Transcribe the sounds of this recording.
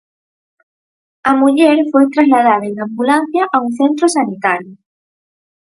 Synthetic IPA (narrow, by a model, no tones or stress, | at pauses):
amuʎeɾfojt̪ɾazlaðaðaenambulãn̟θjaʔauŋθẽnt̪ɾosanit̪aɾjo